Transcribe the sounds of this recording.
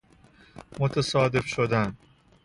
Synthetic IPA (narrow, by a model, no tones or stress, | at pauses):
mot̪ʰæsɒːd̪e̞fʃod̪æn